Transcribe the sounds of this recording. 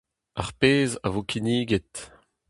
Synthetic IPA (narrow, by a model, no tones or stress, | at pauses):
a̰ʁpeːza̰voːkʰiniːɡet̪